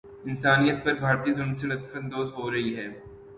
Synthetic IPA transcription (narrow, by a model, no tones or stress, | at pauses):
ɪnsaːnijət̪̚pɐɾbʱaːɾt̪iːzʊnsenɐt̪fə̃nd̪oːzɦoːɾɐɦiɦɛː